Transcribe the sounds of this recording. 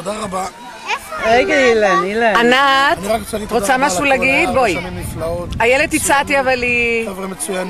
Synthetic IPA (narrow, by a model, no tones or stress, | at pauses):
od̪aʁaba | eɡailanilaanatʁkʁot͡samaʃulaɡit̪bojlajeled̪it͡sat̪iavalievʁimet͡sujan